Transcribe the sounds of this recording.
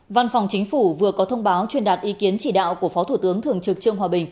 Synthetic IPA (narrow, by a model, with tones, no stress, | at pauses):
va˧nfa˨˩wŋ͡mt͡ɕï˨˦ŋ̟fu˧˩vɨ˨˩əkɔ˨˦t̪ʰə˧wŋ͡mɓaː˨˦wt͡ɕwi˧nɗaː˨˩t̚ʔi˨˦ki˨˦ənt͡ɕi˧˩ɗa̰ː˧˨wku˧˩əfɔ˨˦t̪ʰu˧˩t̪ɨ˨˦əŋt̪ʰɨ˨˩əŋt͡ɕɨ˨˩k̚t͡ɕɨ̰˧˨əŋɦwaː˨˩ɓï˨˩ŋ̟